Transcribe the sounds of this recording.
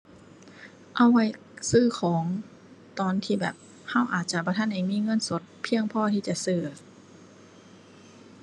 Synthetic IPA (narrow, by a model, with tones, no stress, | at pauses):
ʔa˧˩wwa˧˩j | sɯː˧˥˩kʰɔː˩˦ŋ | t̪ɔː˨˩nt̪ʰiː˧˩bɛː˨˩p̚ | ha˧˥˨wʔaː˨˩t̪̚t͡ɕa˧bɔː˧t̪ʰa˧˥nha˧˩jmiː˧˥˨ŋɤ˧˥˨nso˨˦t̪̚pʰi˧əŋpʰɔː˧˨t̪ʰiː˧˩t͡ɕa˧˨sɯː˧˩